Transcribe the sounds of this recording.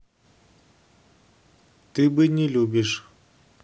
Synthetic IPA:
t̪ɨbɨnʲɪlʲubʲɪʂ

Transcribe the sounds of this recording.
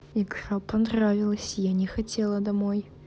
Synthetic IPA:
ikrapɐnrɾavʲɪlˠəsʲjanʲɛxɐtʲʰelˠɐd̪ɐmoj

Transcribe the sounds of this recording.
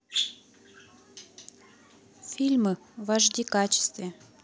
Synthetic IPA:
fʲilʲmɨ | vaʐd̪ʲikat͡ɕɪ̥st̪vʲe

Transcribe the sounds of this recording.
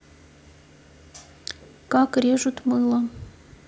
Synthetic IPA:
kɑkrʲeʒut̪mɨlˠɤ̆

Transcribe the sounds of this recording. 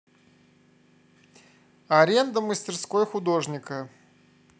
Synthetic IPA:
ɐɾʲend̪əməsʲtʲɪrsko̞jxʊd̪o̞ʐnʲɪkə

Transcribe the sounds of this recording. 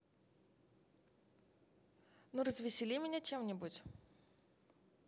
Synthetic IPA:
nuɾəzvʲɪsʲɪlʲimʲɪnʲat͡ɕemnʲɪbutʲ

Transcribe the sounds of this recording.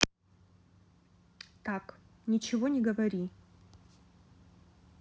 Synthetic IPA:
tʰak | nʲit͡ʃʰivonʲiɡɐvɐɾi

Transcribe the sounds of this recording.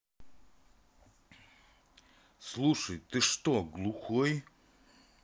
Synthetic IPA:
slˠuʂəjt̪ɨʂt̪oɡlˠuxɔj

